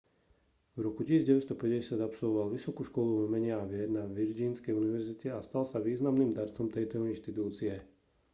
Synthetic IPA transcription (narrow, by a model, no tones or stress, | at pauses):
vɾɔkucisiːzɟɛʋɛst̪ɔpɛɟɟɛsɪad̪apsɔlʋɔʋalʋisɔkuːʃkɔluvɔmɛɲɪaaʋɪɛɾnaʋiɾd͡ʒiːnskɛjuniʋɛɾzicɛast̪alsaʋiːznamniːmd̪aɾt͡sɔmt̪ɛjt̪ɔinʃt̪it̪uːt͡siɛ